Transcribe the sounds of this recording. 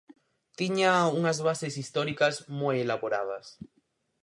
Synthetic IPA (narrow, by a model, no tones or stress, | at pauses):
t̪iɲauŋazβasesist̪oɾikazmojelaβoɾa̰ð̞a̰s